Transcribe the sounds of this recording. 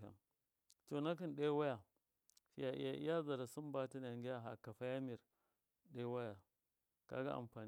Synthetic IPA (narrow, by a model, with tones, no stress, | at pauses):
a̰˨n | to˨na˦ki˦nɗa˦wa˦ja˨ | ʃi˦ja˨ʔḭ˦ja˦ʔḭ˦ja˦za˨ɾa˨su˦mba˦ti˦n˨a˨ŋɡi˦ja˦˨ɦa˨kːa˨fa˦ja˦mi˨ɾ | ɗa˦wa˦ja˨ | ka̰˦ɡa̰˦ʔa̰˨mɸaː˨n